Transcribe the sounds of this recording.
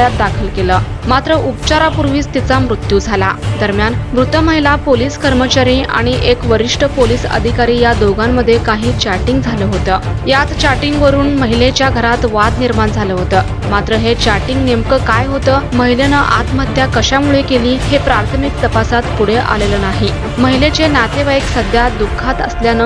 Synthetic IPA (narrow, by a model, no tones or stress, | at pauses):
at̪̚d̪akʰəlkeləː | mat̪ɾəʔupt͡ɕaɾapuɾʋiːt͡st̪it͡samɾut̪jud͡zʱala̰d̪əɾmjanmɾut̪əməɦilapoliːskəɾmət͡ɕaɾiːʔa̰ɽ̃iʔekʋəɾiʂʈəpoliːsə̰d̪ʱikaɾiːjad̪oɡamːəd̪ʱːjekaɦiːt͡ɕaɾʈiŋɡd͡zʱaləɦot̪əːjat̪t͡ɕaɾʈiŋɡʋəɾuːnməɦilet͡ɕjaɡʱəɾat̪ʋad̪niɾmaɳd͡zʱaləɦot̪əː | mat̪ɾəɦet͡ɕaɾʈiŋɡnemkəkajɦot̪əːməɦilenəʔa̰t̪mət̪ːjakəɕamuɭekeliːɦepɾaɾt̪ʰəmik̚t̪əpasat̪puɽ̤eʔa̰lelənaɦi | məɦilet͡ɕenat̪eʋaeksəd̪ʱjad̪ukʰːat̪ə̰sljanə